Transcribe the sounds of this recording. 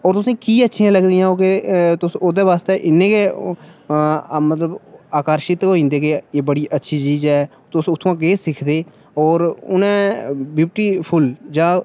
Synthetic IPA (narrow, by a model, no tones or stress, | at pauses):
ɔːɾt̪ʊsĩːkiːətːʃʰĩːãːləɡd̪ijãːoːket̪ʊsoːd̪eːʋaːst̪eːʔɪnːẽːke | mət̪ləbaːkəɾʃɪt̪ɦoːĩːnd̪eːkeeːbəɽiːʔətːʃʰiːt͡ʃiːd͡ʒɛː | t̪ʊsʊt̪ʰːãːɡeːsɪkʰd̪eː | ɔːɾʊ̰nɛ̃ːbuːp̚ʈiːpʰʊld͡ʒãː